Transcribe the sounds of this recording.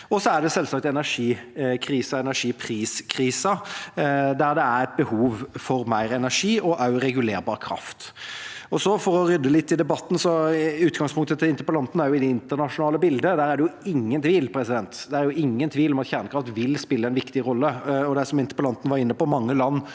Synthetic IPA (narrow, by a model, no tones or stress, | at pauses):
ɔsɔæɖɛsɛlsɑkt̪ɛnæʂiːkʰɾiːsɑɛnæʂiːpʰɾiːskʰɾiːsɑ | d̪æɾd̪ɛæɾɛt̪̚bəhuːʋfɔɾmæɪɾɛnæʂiːɔʔɑʉɾɛɡʉleːɾbɑːʁəkʰɾɑ̰ft̪ | ɔsɔfɔɾɔɾʏd̪ːəlɪt̪ʰːɪld̪ɛbɑt̪ːn̩sɔʉːt̪ɡɑŋspʰʊŋt̪ət̪ɪɪnt̪əpəlɑnt̪n̩æɾjʊɪd̪ɛɪnt̪əɾnɑʂʊnɑːləbɪld̪əd̪æːɾæɖɛjʊɪŋːənt̪ʰʋiːlpʰɾɛsɪd̪ɛnt̪d̪ɛæɾjʊʔɪŋːənt̪ʰʋiːlɔmɑt̪çæɾnəkʰɾɑft̪ʋɪlspɪlːəɛɪnʋɪkt̪ɪɾɔlːəɔd̪æsɔmɪnt̪ə̥pəlɑnt̪n̩ʋɑɾɪnːəpɔmɑŋːəlɑnː